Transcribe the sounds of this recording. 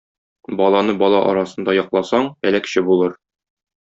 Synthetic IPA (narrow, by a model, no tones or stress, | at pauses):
bɒlˠɑnɤbɒlˠɑʔɒɾɑsɤ̆nd̪ɑjɒqlˠɑsɑɴælækɕɘbulˠɤɾ